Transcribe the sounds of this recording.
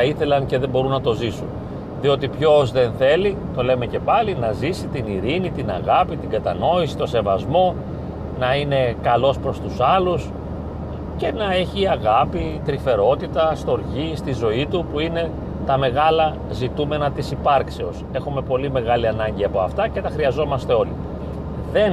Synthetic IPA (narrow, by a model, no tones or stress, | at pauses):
ɐiθe̞lɐnce̞ðe̞bo̞ɾunːɐt̪o̞zisṵn | ðio̞t̪ipço̞zðe̞nθe̞lit̪o̞le̞me̞ce̞pɐlinɐzisit̪iniɾinit̪inɐ̰ɣɐpit̪iŋɡɐt̪ɐ̰no̞isi̥t̪ose̞vɐzmo̞ | nɐine̞kɐlo̞spɾo̞st̪usɐlus | ce̞nɐe̞çiɐɣɐpit̪ɾife̞ɾo̞t̪it̪ɐst̪o̞ɾʝist̪izo̞it̪upuine̞ | t̪ɐme̞ɣɐlɐ | zit̪ume̞nɐt̪isipɐɾkse̞o̞se̞xume̞po̞lime̞ɣɐliɐnɐɲɟiɐpo̞ɐft̪ɐce̞t̪ɐxɾiɐzo̞mɐst̪e̞o̞lḭ | ðe̞n